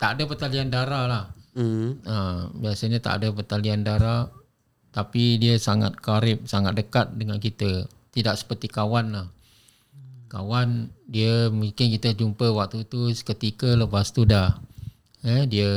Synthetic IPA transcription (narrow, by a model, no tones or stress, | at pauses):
t̪adəpət̪aliandaɾalah | əbiasaɲat̪a̰ʔdəpət̪aliandaɾa | t̪apidiəsaŋa̰t̪̚kaɾɪp̚saŋat̪̚dəkat̪̚dəŋankit̪ə | t̪idaksə̥pərt̪ikawanlah | ka̰wandiəmuŋkɪnkit̪əd͡ʒumpəwak̚t̪ut̪uskət̪ikələpast̪udah | ədiə